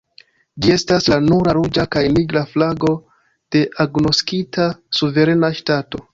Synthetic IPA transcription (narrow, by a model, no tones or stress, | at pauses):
d͡ʒie̞staslanuɾaɾud͡ʒakajniɡɾaflaɡo̞ | d̥e̞ʔaɡno̞skitʰasuve̞ɾe̞naʃtato̞